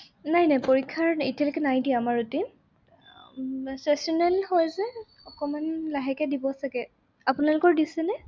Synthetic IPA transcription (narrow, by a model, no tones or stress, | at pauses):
najnajpoɹikʰːaɹitialɔkɛnajdiɛamaɹutim | sɛsɔnɛlhɔjzɛ | ɔkɔmanlaɦɛkɛdibɔsakɛ | apunalʊkɔɹdisɛnɛ